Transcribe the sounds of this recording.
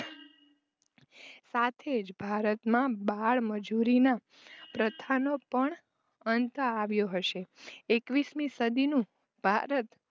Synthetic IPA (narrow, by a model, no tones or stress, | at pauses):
sat̪ʰed͡ʒbʱaɾət̪mãbaɭməd͡ʒuɾina | pɾət̪ʰanopəɳ | ənt̪aʋjoɦəʃeekʋismĩsəd̪inũ | bʱaɾət̪